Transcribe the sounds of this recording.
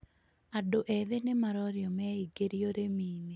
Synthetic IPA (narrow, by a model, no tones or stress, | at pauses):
adoʔɛðenemaɾɔɾjɔmɛiɡeɾjoɾemini